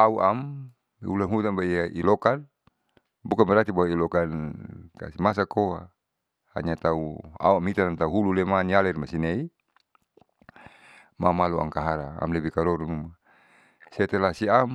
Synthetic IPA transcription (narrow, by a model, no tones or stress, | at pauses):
auʔam | ṵlanɦut̪anbaiaʔilɔkan | bukanbɛɾat̪ibaailɔkanka̰simas̬akoa̰ | ha̰ɲat̪aua̰uamit̪anant̪auɦululɛmanialɛrmasinei | mamalua̰ŋkaɦaɾaa̰mlɛbikaɾɔɾunuma | sɛt̪ɛlasiam